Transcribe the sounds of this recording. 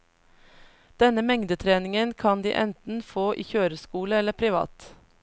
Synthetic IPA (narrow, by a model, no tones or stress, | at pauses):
d̪̥ɛnəmɛŋd̪ət̪ʰɾeːnɪŋənkʰɑnd̪ḭːʔɛ̰nt̪n̩foːʔḭːçøːɾəskuːləɛləpʰɾɪʋɑ̰ːt̪